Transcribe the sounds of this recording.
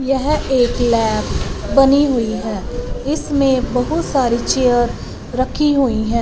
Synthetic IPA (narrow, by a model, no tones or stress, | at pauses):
jɛɦeːklɛːpbɐniɦʊiɦɛ̃ːɪsmẽbɐɦʊt̪saːɾit͡ʃeːjəɾ | ɾɐkʰiɦuiɦɛ̃ː